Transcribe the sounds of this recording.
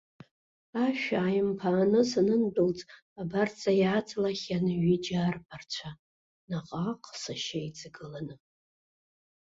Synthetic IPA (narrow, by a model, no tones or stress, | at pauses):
aʃᶣaːjmpʰaːnɨsanɨndɨlt͡sʼ | abart͡sʰʼajaːt͡sʰʼlaχʲanɨɥid͡ʒarpʰart͡ɕʷʰa | naqʼaqʼsaʃajt͡sʼɡɨlanɨ